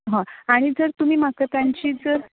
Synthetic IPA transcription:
ɦə̃aɽ̃id͡zəɾt̪um̤iːmakət̪aɲt͡ɕiːd͡zəɾ

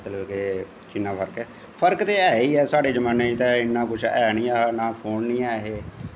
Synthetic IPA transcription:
t̪ləbke | t͡ʃɪnːãːpʰəɾkɛː | pʰəɾkt̪eːɛːiːɛːsaːɖeːd͡ʒəmãːneːt̪ɛːɪnːãːkʊt͡ʃʰɛːniːaːnãːpʰoːɳniːaːɦeː

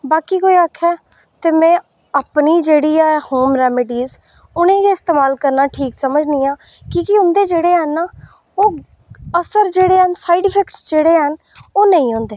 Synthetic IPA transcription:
baːkiːkoːiːakʰːɛː | t̪eːmɛ̃ː | aːpniːd͡ʒeːɽiːɛːhoːmɾɛːmɪɖiːz | ʊnẽːɡeːɪst̪eːmaːlkəɾnaːʈʰiːksəməd͡ʒnĩːãː | kiːkɪʊnd̪eːd͡ʒeːɽeːɦənaː | oː | əsəɾd͡ʒeːɽeːɦənsaːiɖɪpʰɛːkʈsd͡ʒeːɽeːɦən | oːnəĩːɦʊ̃nd̪eː

